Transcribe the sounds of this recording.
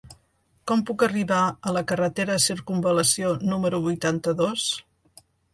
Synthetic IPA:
kɔmpukəriβaələkərət̪eɾəsiɾkumbələsionuməɾuβujt̪ant̪əðos

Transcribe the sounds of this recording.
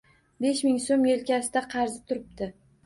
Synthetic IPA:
be̞ʃmɪŋsomje̞lkʲʰasɪd̪aqʰɑɾzɪt̪ʰʊɾɪp̚t̪ɪ

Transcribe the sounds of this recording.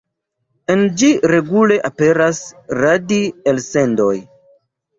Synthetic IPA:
e̞nd͡ʒiɾe̞ɡule̞ʔape̞ɾasɾadielse̞ndo̞j

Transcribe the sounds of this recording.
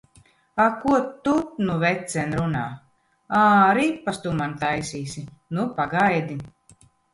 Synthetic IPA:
akuɔt̪ːut̪nuvɛt̪sɛnɾunaː | aːɾipːast̪umant̪ajsiːsinupaɡajd̪i

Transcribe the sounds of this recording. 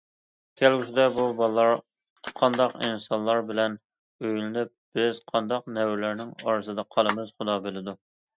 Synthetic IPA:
kʲʰælɡʲysɪd̪ɛbubɑlˠːɑɾ | qʰɑnd̪ɑqḭnsɑnlˠɑɾbɪlɛn | øjlɪnɪp̚b̥ɪz̥qʰɑnd̪ɑq̚nɛwɪlæɾnɪŋɑɾɨsɨd̪ɑqʰɑlˠɨmɨz̥χʊd̪ɑbɪlɪd̪u

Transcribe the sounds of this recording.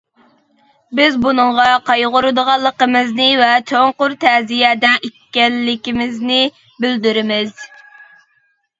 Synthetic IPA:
bɪzbunəŋʁɑqʰɑjʁʊɾɨd̪əʁɑlˠːəqəmɨznɨvɛt̪ʰøŋqʊɾt̪ʰɛzijɛːd̪ɛnekʲːɛlːɪkʲimɪznɪ | bɪld̪yɾɪmɪz̥

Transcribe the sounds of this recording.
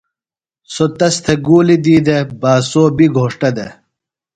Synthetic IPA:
sot̪ɐst̪ʰɐɡuːlid̪iːd̪ɐbaːsoːbiɡʱoːʂʈɐd̪ɐ

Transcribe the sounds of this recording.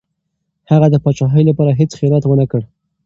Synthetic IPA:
haɣad̪əpɑt͡ʃɑɦəjlapɑɾaɦet͡sxiɑlat̪wənəkəɽ

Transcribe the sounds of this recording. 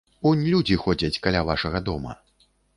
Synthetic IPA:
unʲlʲud͡zʲixɔd͡zʲɐt͡sʲkalʲavaʂɐɣɐd̪ɔmɐ̰

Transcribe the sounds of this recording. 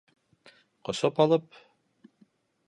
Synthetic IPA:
qŏsopɑlˠɤp̚

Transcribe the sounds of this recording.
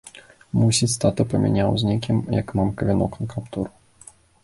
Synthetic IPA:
musʲit͡sʲst̪at̪ɨpɐmʲḭnʲawzʲnʲikʲimjɐ̰kmamkɐvʲinɔ̰knɐkapt̪uɾu

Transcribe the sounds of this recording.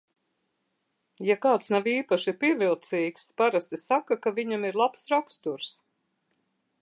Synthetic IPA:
jakaːt̪snaviːpaʃipʲiɛvilˠt̪siːkspaɾast̪isakakavʲiɲamiɾlˠapsɾakst̪uɾs

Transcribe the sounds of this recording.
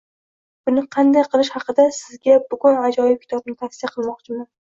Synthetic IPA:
b̥ʊnɪqʰɑnd̪ajqʰɨlˠɪʃhɑqɨd̪asɪzɡʲabʊɡʊnad͡ʒɒjɪp̚kʲʰɪ̥t̪ʰɒbnɪt̪ʰafsɪjaqʰɨlˠmɒqt͡ʃʰɪman

